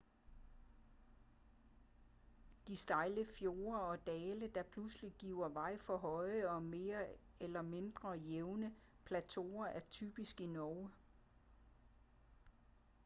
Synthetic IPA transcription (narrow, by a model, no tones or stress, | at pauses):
d̥isd̥ɑ̈ɪləfjo̝ːɐɒ̽d̥ɛːləd̥ɑ̈pʰlusliɡ̥iʊɐʋɑ̈ɪ̰fɒ̽ɦɒ̽ɪəɒ̽me̝ːɐ | elɐme̝nd̥ʁɐjeʊnə | pʰlæt͡sʰo̝̰ːɐʔæɐt͡sʰy̰ːb̥isɡ̥inɒʊ